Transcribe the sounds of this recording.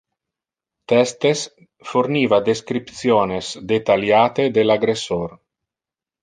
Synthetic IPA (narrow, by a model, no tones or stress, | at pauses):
t̪ɛst̪es | foɾniːvad̪eskɾipt̪sjoːnesd̪et̪aljaːt̪ed̪elaɡɾesoɾ